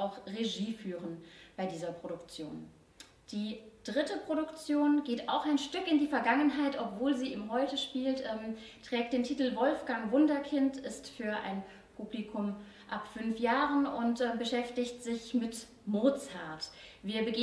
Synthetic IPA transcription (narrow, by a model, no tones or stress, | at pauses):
aʊxʁeʒiːfyːʁənb̥aɪdiːzɐpʁ̥oɾʊkt͡sjo̰ːn | d̥iːd̥ʁɪtəpʁ̥odʊkt͡sjoːnɡeːtaʊxaɪnʃtʏkɪndiːfɛɐɡaŋənɦaɪtɔpv̥oːlziːʔiːmɦɔʏtəʃpiːltʔɛːmtʁ̥ɛːk̚t̚d̥eːntʰiːtl̩vɔlfɡ̥aŋvʊndɐkʰɪntɪstfyːɐʔa̰ɪn | pʰublikʰʊm | ʔapfʏnfjaːʁənʊntʔɛːbəʃɛftɪçtz̥ɪçmɪt | moːt͡shaɐtviːɐbəɡeː